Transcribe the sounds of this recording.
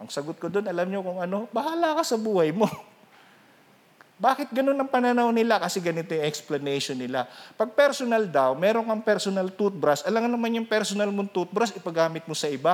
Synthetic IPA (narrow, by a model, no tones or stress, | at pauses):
ʔɐŋsɐɡot̪̚kod̪o̞nʔɐlamɲo̞kʊŋʔɐno̞bɐhaːlɐkasɐbuːhɐjmo̞ | baːkɪt̪̚ɡɐno̞nːɐŋpɐnɐnawnɪlakɐsɛɡɐnɪt̪ojŋʔɛksplɐnɛjʃonːɪlapɐɡ̚pɛɾsonɐld̪ɐwmɛːɾoŋkɐŋpɛɾsonɐlt̪ut̪̚bɾɐsʔɐlaŋnɐmanjʊŋpɛɾsonɐlmoŋt̪ut̪̚bɾɐsʔɪpɐɡaːmɪt̪̚mosɐʔɪba